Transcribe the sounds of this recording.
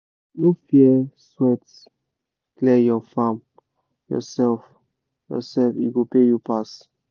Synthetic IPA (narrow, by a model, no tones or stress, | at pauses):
nofiɛswɛt | klɛjɔfãm | jɔ̰sɛlf | jɔ̰sɛlfiɡopejupas